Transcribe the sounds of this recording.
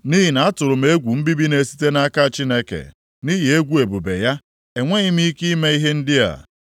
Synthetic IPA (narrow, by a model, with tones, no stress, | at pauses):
ni˦ɦi˨na˨a˦tʊ˨ɾʊ˨m̩e˨˦e˦ɡʷu˨m̩˦bi˦bi˦ne˨si̥˦te˦na˦a˦ka˦˨t͡ʃi˦ne˦kḛ˨ | ni˦ɦi˨e˦ɡʷu˦e˨bu˨be˨ja˦ | e˨ŋʷe˦i˦mi˦i˦ki˦me˦i˦ɦe˦n̩˦dɪ˦a̰˨